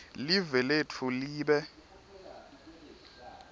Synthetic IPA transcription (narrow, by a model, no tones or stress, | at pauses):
livɛletʰuliːɓɛ